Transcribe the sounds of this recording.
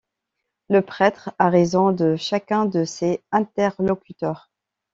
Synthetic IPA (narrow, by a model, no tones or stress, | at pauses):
ləpχɛt̪χaʁezɔ̃d̪əʃakʲɛ̃d̪əseɛ̃t̪ɛʁlɔkʲyt̪œːʁ